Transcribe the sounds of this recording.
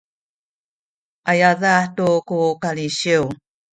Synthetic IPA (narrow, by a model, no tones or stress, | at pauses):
ʔajaðatukukaliɕiw